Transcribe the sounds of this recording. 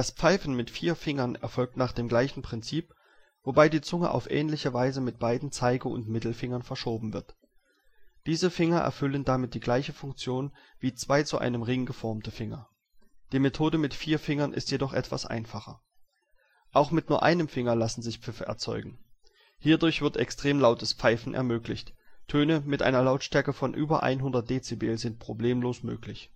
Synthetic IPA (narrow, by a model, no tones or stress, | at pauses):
d̥aspp͡faɪfn̩mɪtfiːɐfɪŋɐnɛ̰ɐfɔlk̚tnaːχd̥eːmɡlaɪçn̩pʁ̥ɪnt͡siːp | v̥obaɪdiːt͡sʊŋə̰ʔa̰ʊfʔɛ̰ːnlɪçəvaɪzəmɪt̚b̥aɪdn̩t͡saɪɡəʊ̰ntmɪtl̩fɪŋɐnfɛɐʃoːbm̩vɪɐt | d̥iːzəfɪŋɐʔɛ̰ɐfʏləndamɪt̚d̥iːɡlaɪçəfʊŋk̚t͡sjoːn | viːt͡sv̥aɪt͡suʔa̰ɪnəmʁɪŋɡəfɔɐmtəfɪŋɐ̰ | d̥iːmetʰoːdəmɪtfiːɐfɪŋɐnʔɪ̰stjedɔχʔɛ̰tv̥a̰sʔa̰ɪnfaχɐ̰ | ʔaʊxmɪt̚nuːɐʔa̰ɪnəmfɪŋɐlasn̩zɪçpp͡fɪfəʔɛ̰ɐt͡sɔ̰ʏɡŋ̩ | hiːɐdʊɐçv̥ɪɐtɛkstʁ̥eːmlaʊtəsp͡faɪfn̩ʔɛ̰ɐmøːklɪçttʰøːnəmɪtʔa̰ɪnɐlaʊtʃtɛɐkəfɔnʔyːbɐ̰ʔa̰ɪnɦʊndɐt̚d̥eːt͡sebeːlzɪnt̚pʁ̥obleːmloːsmø̰ːklɪç